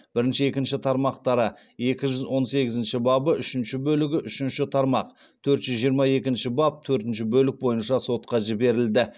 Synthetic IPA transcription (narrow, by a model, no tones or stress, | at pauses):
b̥ɪɾɪnʃɪe̞kʲɪnʃɪt̪ʰɑɾmɑqt̪ɑɾə | e̞kʲɪʒʏzwo̞nse̞ɡʲɪzɪnʃɪbɑbəʏʃɪnʃɪbɵlɪɡʲɪʔʏʃɪnʃɪt̪ʰɑɾmɑq | t̪ʰɵɾt̪ʒ̥ʏzʒijəɾmɑe̞kʲɪnʃɪbɑp̚t̪ʰɵɾt̪ɪnʃɪbɵlɪk̚bo̞jənʃɑso̞t̪̚qɑʒɪbe̞ɾɪld̪ɪ